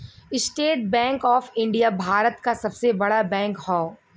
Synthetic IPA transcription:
ɪsʈeːʈ̚bɛ̃ːŋkɔːfɪ̃ɳɖijabʱaːɾət̪kasɐbsebɐɽabɛ̃ːŋkhɔː

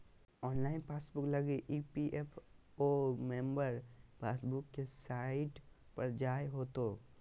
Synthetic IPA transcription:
ɔːnlaːɪnpʰaːsbʊklɐɡeʔipiʔepʰ | oːmẽːmbəɾpaːsbʊkːesaːɪʈ | pɐɾd͡ʒaːeɦoːt̪oː

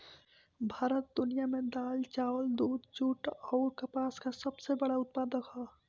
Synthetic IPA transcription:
bʱaːɾət̪̚d̪ʊnijamẽd̪aːlt͡ʃaːwəld̪uːd̪t͡ʃuːʈɔːɾkɐpaːskasɐbsebɐɽaʊt̪̚paːd̪əkʰaː

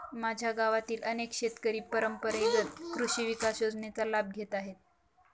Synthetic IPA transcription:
mad͡ʑʱjaɡaʋat̪iːlʔənekʃet̪kəɾiːpəɾəmpəɾeɾət̪kɾuɕiːʋikasjod͡znet͡salab̚ɡʱet̪aɦet̪̚

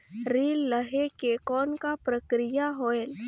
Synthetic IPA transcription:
ɾiːlːəɦekekɔːnkapɾəkɾijaɦoːel

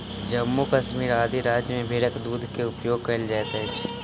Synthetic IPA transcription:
d͡ʒɐmːukɐʃmiːɾaːd̪ʱiɾaːd͡ʒjəmẽbʱeːɽəkd̪uːd̪ʱkeʊpjoːɡ̚kɐld͡ʒaːt̪ɛɦt͡ʃʰi

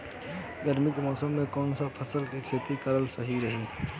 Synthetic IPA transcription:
ɡəɾmɪkmɔːsəmːẽkɔːnsapʰəsəlkikʰeːt̪ikɐɾəlsəɦiɾɐɦiː

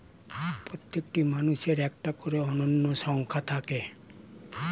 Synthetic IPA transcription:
pɾot̪ːekʈimanuʃeɾɛk̚ʈakoɾeɔnonːoʃɔŋkʰat̪ʰake

